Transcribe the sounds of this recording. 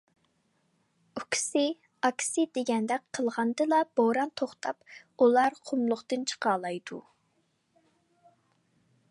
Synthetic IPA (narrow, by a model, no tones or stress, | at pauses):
ukʲʰi̥sɪ | ɑkʲʰi̥sɪd̪eɡʲɛnd̪ɛkʲqʰəlˠʁɑnd̪ɨlˠɑb̥oɾɑnt̪ʰoχt̪ʰɑp | ulˠɑɾqʰʊmlˠʊχt̪ɨnt͡ʃʰə̥qʰɑːlˠɑjd̪̥ṵ